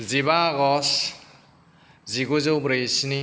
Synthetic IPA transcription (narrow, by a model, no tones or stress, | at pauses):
ziβaɡɔs | ziɡuzowbɾesni